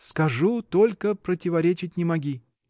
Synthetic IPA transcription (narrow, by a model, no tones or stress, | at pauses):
skɐʐut̪olʲkəpɾətʲɪvɐɾʲet͡ɕɪtʲnʲɪmɐɡʲi